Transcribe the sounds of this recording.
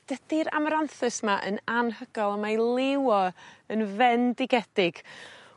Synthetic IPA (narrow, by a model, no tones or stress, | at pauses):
d̥əd̥iɾa̰mɔɾanθɨsmaʔə̰nanɦəɡ̥ɔlˠamajlˠɪwɔənvɛndɪɡɛd̥ɪɡ̥